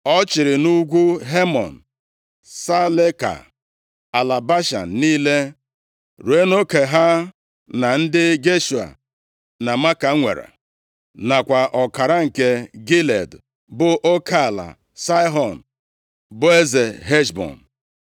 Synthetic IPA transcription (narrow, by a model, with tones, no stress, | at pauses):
ɔ˦t͡ʃɪ˨ɾɪ˨nu˦ɡʷu˦ɦe˦mɔ˨n̩˨ | sa˦le˦ka̰˨ | a˨la˨ba˦ʃa̰˨n̩˨niː˦le˦ | ɾu˨e˦no˦ke˨ɦa˦ | na˨n̩˦dɪ˦ɡe˦ʃu˨a̰˨ | na˨ma˦ka˨˦ŋʷḛ˨ɾa̰˨ | na˨kʷa˨ʔɔ˨ka˨ɾa˦ŋ̩˨ke˦ɡi˦le˨d | bʊ˨ʔo˦kʰa˦˨la̰˨ | sa˦jɦɔ˨n̩˨ | bʊ˦e˦ze˨ɦe˦ʃbɔ̰˨n̩˨